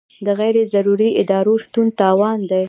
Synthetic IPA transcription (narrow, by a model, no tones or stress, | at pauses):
d̪əɣajɾezaɾuɾiɪd̪ɑɾoʃt̪unt̪ɑwɑnd̪aj